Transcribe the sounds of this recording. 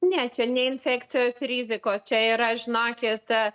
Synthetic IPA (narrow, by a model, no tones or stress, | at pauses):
nʲɛt͡ʃʲɛnʲɛɪnfʲɛkt͡s̪sʲɪjoːsɾʲiːzʲɪkoːst͡ʃʲɛɪɾɐʒʲnɑːkʲɪt̪